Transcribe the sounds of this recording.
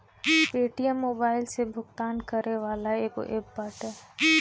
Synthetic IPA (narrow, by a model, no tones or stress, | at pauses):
peːʈijəmːoːbaːɪlsebʱʊɡt̪aːnkəɾneʋaːlaeːko̰ʔeːbːaːʈɦɛː